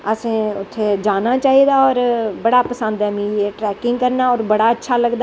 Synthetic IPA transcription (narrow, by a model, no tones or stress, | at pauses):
əsẽːʊt̪ʰːeːd͡ʒaːnaːt͡ʃaːɦiːd̪aːɔːɾbəɽaːpəsə̃nd̪ɛːmĩːjeːʈɾɛːkɪŋɡ̚kəɾnaːɔːɾbəɽaːətːʃʰaːləɡd̪aː